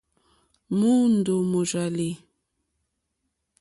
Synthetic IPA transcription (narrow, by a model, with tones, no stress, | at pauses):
mu˦n˨do˨mo˨ʒa˨li˨